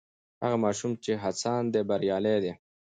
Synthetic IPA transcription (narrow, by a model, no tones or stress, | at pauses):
ha̰ɣamɑːʃumt͡ʃeɦasɑːnd̪ebɐɾjɑːled̪e